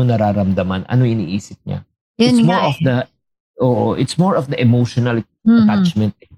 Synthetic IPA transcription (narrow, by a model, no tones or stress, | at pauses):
ʊŋnɐɾaːɾɐmd̪ɐmɐnʔɐ̰noɪniːʔiːsɪp̚ɲa̰ | ɪsmɔɹɔfd̪ɐ | ʔoːʔoʔɪt̪smɔɹɔfd̪ɐʔɛmowʃɔnɐl | ɐt̪at͡ʃmɛnt̪̚ɛ